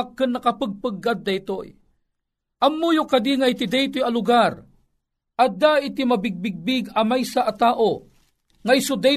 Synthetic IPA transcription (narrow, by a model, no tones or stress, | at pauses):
kːɨnːɐkɐpəɡ̚pɨɡːat̪̚d̪ɐjt̪oj | ʔɐmːujokɐd̪iŋajt̪ɪd̪ajt̪ojɐlʊɡaɾ | ʔɐd̪aʔɪt̪ɪmɐbɪɡ̚bɪɡ̚bɪɡɐmajsaʔɐt̪aːʔo | ŋajsʊd̪a